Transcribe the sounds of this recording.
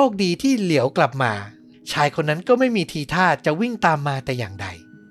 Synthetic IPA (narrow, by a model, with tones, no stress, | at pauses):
oː˥˩k̚diː˧t̪ʰiː˥˩li˩˦əwkla˨˩p̚maː˧ | t͡ɕʰaː˧jkʰo˧nːa˦˥nkɔː˥˩ma˥˩jmiː˧t̪ʰiː˧t̪ʰaː˥˩t̪̚t͡ɕa˨˩wi˥˩ŋt̪aː˧mːaː˧t̪ɛː˨˩jaː˨˩ŋda̰˧j